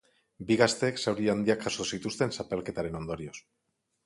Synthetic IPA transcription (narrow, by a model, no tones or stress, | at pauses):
biɣast̪e̞ːksawɾiand̪iakːasousit̪ust̪e̞nsape̞lke̞t̪aɾe̞no̞nd̪o̞ɾio̞s